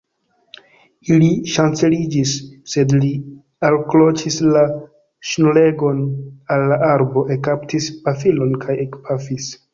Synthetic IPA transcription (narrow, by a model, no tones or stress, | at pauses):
iliʃant͡se̞lid͡ʒisːe̞dli | alklo̞t͡ʃisla | ʃnule̞ɡo̞nalːaʔaɾbo̞ʔe̞kaptispafilo̞nkʰajekpʰafis